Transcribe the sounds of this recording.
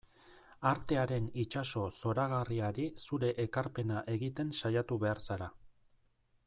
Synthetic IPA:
aɾt̪e̞aɾe̞nit͡ʃaso̞so̞ɾaɣariaɾisuɾe̞ʔekaɾpe̞naʔe̞ɣit̪e̞nsajat̪uβe̞aɾsaɾa

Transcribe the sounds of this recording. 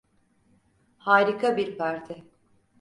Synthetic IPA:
haːɾikʰabiɾpʰaɾt̪ʰɪ

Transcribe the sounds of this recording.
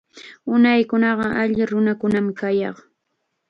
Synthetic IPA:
ʊnajkʊnɑɢɑʔaʎɪɾʊnakʊnamɪkajɑ̰χ

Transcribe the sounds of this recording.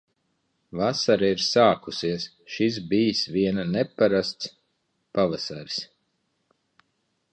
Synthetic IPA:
vasaɾɛiɾsaːkusiɛs | ʃis̬bijisviɛnanɛpːaɾast̪s | pavasaɾi̥s

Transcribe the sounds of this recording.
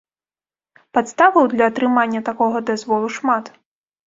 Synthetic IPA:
pat̪st̪avɐwd̪lʲɐːt̪ɾɨmanʲːɐt̪akɔɣɐd̪azvɔlˠuʂmat̪

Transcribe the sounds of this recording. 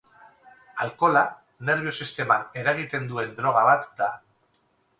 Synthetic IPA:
alko̞la | ne̞ɾβ̞io̞sist̪e̞mane̞ɾaɣ̞it̪e̞nd̪ue̞nd̪ɾo̞ɣ̞aβ̞at̪d̪a

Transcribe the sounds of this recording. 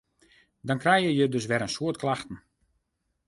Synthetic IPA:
dɔnkrɛjjəjədɵs̬ʋɛɾənsoətklaxtn̩

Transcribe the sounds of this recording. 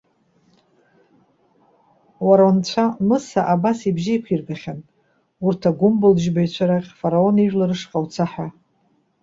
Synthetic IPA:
waɾant͡ɕʷʰamɨsaʔabasibʒijkʷʰirɡaχʲan | urtʰaɡʷʊmbɨlʒbajt͡ɕʷʰaɾaqʲfaɾao̞niʒlɨrɨʂqʼawt͡sʰaħa

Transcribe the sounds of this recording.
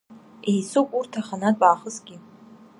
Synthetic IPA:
ejsokʷʼurtʰaχanad̚ʼbaːχəsɡʲi

